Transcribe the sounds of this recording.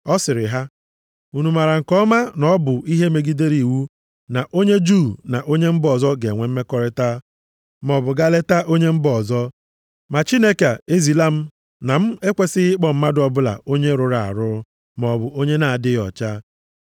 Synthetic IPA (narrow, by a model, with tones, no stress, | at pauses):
ɔ˦sɪ˨ɾɪ˨ɦa˦ | u˨nu˨ma˨ɾa˨ŋ̩˨kɔ˦ma˦nɔ˦bʊ˨i˦ɦe˦me˨ɡi˦de˦ɾi˨wu˦ | na˨ʔo˦ɲe˦d͡ʒu˦˨na˨ʔo˦ɲe˦m̩˦bɔ˨zɔ˦ɡe˨ŋʷe˨m̩˦me˦kɔ˦ɾɪ˦ta˦ | m˨ɔ˨bʊ˨ɡa˦le˦ta˦ʔo˦ɲe˦m̩˦bɔ˨zɔ˦ | ma˨t͡ʃi˦ne˦ka˨e˦zi˨la˦m̩˦ | na˨m̩˦e˦kʷe˦sɪ˦ɪ˦k͡pɔ˦m̩˦ma˦dʊ˦ɔ˨bʊ˦la̰˨o˦ɲe˦ɾʊ˨ɾa˨a̰˨ɾʊ˦ | m˨ɔ˨bʊ˨ʔo˦ɲe˦na˨a˨dɪ˦ɔ̰˨t͡ʃa˦